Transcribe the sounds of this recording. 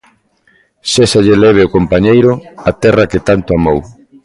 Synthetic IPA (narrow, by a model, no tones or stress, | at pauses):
sesaʎelɛβ̞eʊkompaɲejɾʊat̪ɛrɐket̪ant̪ʊamow